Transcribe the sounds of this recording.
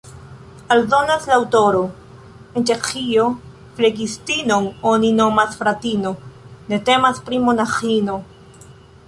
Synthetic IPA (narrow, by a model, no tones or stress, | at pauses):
aldo̞naslaawto̞ɾo̞ | ent͡ʃe̞xio̞ | fleɡistino̞nonino̞masfɾatino̞ne̞te̞maspɾimo̞naxino̞